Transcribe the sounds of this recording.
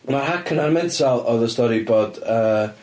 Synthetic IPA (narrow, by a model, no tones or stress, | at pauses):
marhakʰənarmɛntʰalˠɔðəstɔɾiboːd̥əː